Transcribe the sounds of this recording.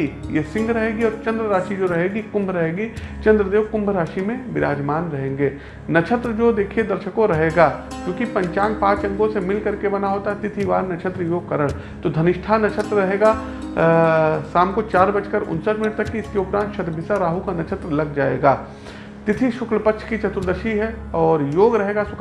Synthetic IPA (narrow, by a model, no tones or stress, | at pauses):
ijesɪ̃ŋɡɾɐɦeːɡiɔːɾt͡ʃɐ̃nd̪ɾəɾaːʃid͡ʒoɾɐɦeːɡikʊ̃mbʱɾɐɦeːɡit͡ʃɐ̃nd̪ɾəd̪eːʋkʊ̃mbʱɾaːʃimẽʋɪɾa̰ːd͡ʒmaːnɾɐɦẽːŋɡeː | nɐt͡ʃʰət̪ɾəd͡ʒoːd̪eːkʰied̪ɐɾʃəkõɾɐɦeːɡaːkjõːkipɐ̃ɲt͡ʃaːnpãːt͡ʃɐ̃ŋɡõsemɪlkɐɾkebɐnaɦoːt̪aɦɛt̪ɪt̪ʰiʋa̰ːɾnɐt͡ʃʰət̪ɾəjoːkɐɾəɽ | t̪od̪ʱɐnɪʃʈʰaːnːɐt͡ʃʰət̪ɾɾɐɦeːɡa | saːmkot͡ʃaːɾbɐt͡ʃkəɾʊ̰nsət̪mɪnəʈ̚t̪ɐkːiɪskeʊpɾãːnt̪ʃɐt̪bʱɪsaɾaːɦukanɐt͡ʃʰət̪ɾəlɐɡd͡ʒaːḛːɡaː | t̪ɪt̪ʰiʃʊkləpəkʃʰkit͡ʃɐt̪ɾəd̪əɾʃiɦɛɔːɾjoːɡɾɐɦeːɡasʊk